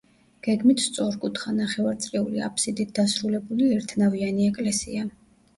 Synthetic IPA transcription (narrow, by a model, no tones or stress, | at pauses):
ɡ̥ɛɡmit̪ʰst̪sʼɔɾkʼut̪ʰχanaχɛvaɾt̪sʼliulḭa̰pʰsid̪it̪̚d̪asɾulɛbuliɛɾt̪ʰnavianiɛkʼlɛsḭa